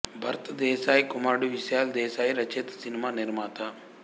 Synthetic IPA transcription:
bʱɐɾt̪ɐd̪ɛːʃaːjkumaːɽuʋiʃjaːld̪ɛːʃaːjɾɐt͡ʃeːt̪ɐ̥sinimaːniɾmaːt̪ɐ

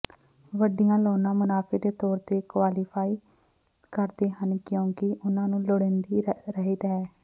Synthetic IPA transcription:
ʋəɖɪjãːlɔːnãːmʊnaːpʰeːd̪eːt̪ɔːɾt̪eːkʋaːliːpʰaːiː | kəɾd̪eːɦənkjõːkɪʔʊnãːnũːloɽẽːnd̪iːɾəɦiːd̪ɛː

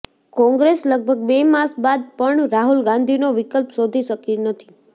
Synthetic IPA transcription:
kɔ̃ŋɡɾesləɡ̚bʱəɡ̚bemaɾsbad̪̚pəɳɾaɦulɡãnd̪ʱinoʋɪkəlpsod̪ʱiʃəkinət̪ʰi̥

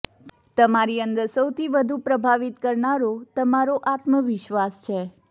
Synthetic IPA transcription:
t̪əmaɾiənd̪əɾsəwt̪ʰiʋəd̪ʱupɾəbʱaʋit̪kəɾɳaɾot̪əmaɾoʔat̪məʋɪʃʋast͡ʃʰe

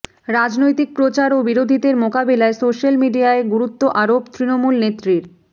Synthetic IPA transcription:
ɾad͡ʑnojt̪ik̚pɾot͡ɕaɾobiɾod̪ʱid̪eɾmokabelaesoʃalmiɖiaeɡuɾut̪ːoʔaɾobt̪ɾinomulnet̪ːɾiɾ

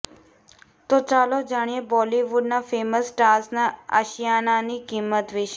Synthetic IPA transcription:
t̪ot͡ʃalod͡ʒaɽ̃ijebɔliʋuɖnafeməsʈasnaə̰ʃijananikimːət̪ʋɪʃ

